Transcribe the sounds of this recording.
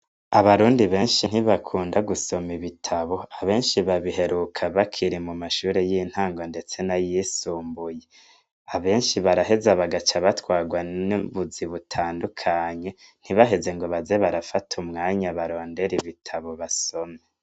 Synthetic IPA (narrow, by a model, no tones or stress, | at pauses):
aβaɾuːndiβe̞ːnʃin̥hiβakʰuːndaɡuso̞miβitʰaβo̞aβe̞ːnʃiβaβiɦe̞ɾuːkʰaβakʰiɾimumaʃuːɾe̞jin̥haːŋɡonde̞t͡se̞najisuːmbuje̞ | aβe̞ːnʃiβaɾaɦe̞zaβaɡat͡ʃaβatwaːɡwaiβuziβutʰaːndukʰaːɲe̞n̥iβaɦe̞ze̞ŋɡo̞βazeβaɾafatʰumŋaːɲaβaɾo̞ːnde̞ɾiβitʰaβo̞βaso̞me